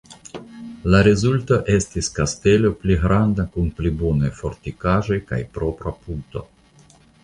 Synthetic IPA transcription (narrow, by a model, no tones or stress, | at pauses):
laɾezulto̞ʔe̞stiskaste̞lo̞pliɡɾandakunplibonajfo̞ɾtikaʒo̞jka̰jpɾo̞pɾapunto̞̰